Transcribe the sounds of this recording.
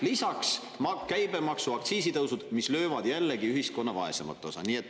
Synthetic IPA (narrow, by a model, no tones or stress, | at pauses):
lisɑks | mɑkæjbe̞mɑksuɑk̚t̪siːs̬it̪ɤwsud̪̥mislø̞ːvɑd̪̥jælːeɡiyhisko̞nːɑvɑ̰e̞semɑ̰t̪ːˑo̞sɑ̰niːe̞t̪ːˑ